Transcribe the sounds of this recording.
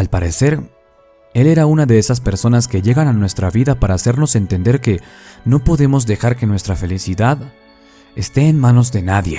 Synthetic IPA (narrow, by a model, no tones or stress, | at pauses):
alpaɾe̞se̞ɾ | e̞le̞ɾaunaðe̞esaspe̞ɾso̞naske̞ʝe̞ɣananwe̞st̪ɾaβiðapaɾaːse̞ɾno̞se̞nt̪e̞nd̪e̞ɾke̞ | no̞po̞ðe̞mo̞zðe̞xaɾke̞nwest̪ɾafe̞lisiðað | e̞st̪e̞ːnmano̞zðe̞naðje̞